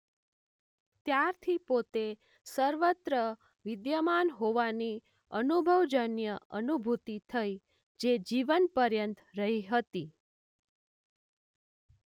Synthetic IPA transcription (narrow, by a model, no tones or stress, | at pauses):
t̪jaɾt̪ʰipot̪e | səɾʋət̪ɾə | ʋɪd̪jəmanɦoʋani | ənubʱəʋd͡ʒənjəʔənubʱut̪it̪ʰəi | d͡ʒed͡ʒiʋənpəɾjənt̪ɾəɦiɦət̪i